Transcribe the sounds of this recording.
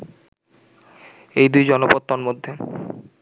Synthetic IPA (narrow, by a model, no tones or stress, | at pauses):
ejd̪ujd͡ʑɔnopot̪ːonmod̪ʱːe